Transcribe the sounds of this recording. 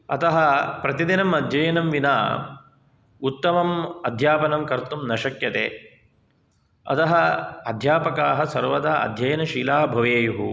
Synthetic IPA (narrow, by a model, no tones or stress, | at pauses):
ɐt̪ɐɦɐpɾɐt̪id̪inɐmɐd̪ʱjɐjɐnɐmʋina̰ː | ut̪ːɐmɐmɐd̪ʱjaːpɐnɐmkɐɾt̪umnɐʃɐkjɐt̪ḛː | ɐ̰t̪ɐɦɐɐd̪ʱjaːpɐkaːɦɐsɐɾʋɐd̪aɐ̰d̪ʱjɐjɐnɐʃiːlaːbʱɐʋeːjuɦu